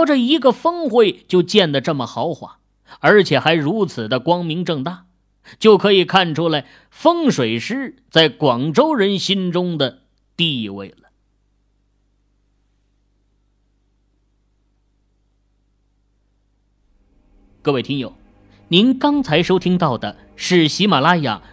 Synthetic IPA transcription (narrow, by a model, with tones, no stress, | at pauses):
ʊʈ͡ʂə˧i˧˥ɡə˧fɤ˥ŋxwe˥˧ɪt͡ɕjo˥˧ʊt͡ɕjɛ˥˩nd̪ə˩ʈ͡ʂə˥˩mə˩xɑ˧˥ʊxwa̰˥˩ | ə˞˧˥t͡ɕʰjɛ˨˩xa˧˥ɪɻu˧˥t͡sʰɹ̩˨˩d̪ə˦kwɑ˥ŋmi˧˥ŋʈ͡ʂɤ˥˧ŋt̪a˥˩ | t͡ɕjo˥˩ʊkʰɤ˧˥i˨˩kʰa˥˩nʈ͡ʂʰu˥la˧˥ɪ | fɤ˥ŋʂwe˨˩ɪʂɻ̩˥t͡sa˥˩ɪkwɑ˨˩ŋʈ͡ʂo˥ʊɻə˧˥nɕi˥nʈ͡ʂʊ˥ŋd̪ə˨ | t̪i˥˧wḛ˥˩ɪlə˩ | kɤ˥˧we˥˩t̪ʰi˥ŋjo˨˩˦ʊ | ni˧˥nkɑ˥ŋt͡sʰa˧˥ɪʂo˥ʊt̪ʰi˥ŋt̪ɑ˥˩ʊd̪ə˩ | ʂɻ̩˥˩ɕi˧˥ma˨˩la˥ja̰˥˩